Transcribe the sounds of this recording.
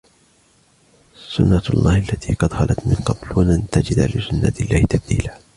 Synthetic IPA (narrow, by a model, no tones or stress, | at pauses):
sʊnːaɑlˤːʔɑːhʔalːat̪ʰiːqɑd̪xɑlʔat̪mɪnqɑblwanant̪ad͡ʒɪd̪alɪsʊnːa̰ɪlːaːhɪt̪ab̚d̪ḭːla